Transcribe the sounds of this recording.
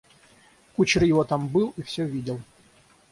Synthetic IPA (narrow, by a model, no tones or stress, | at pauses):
kut͡ɕɾɨjɪvɔt̪ambɨlˠifsʲɔvʲidʲɪlˠ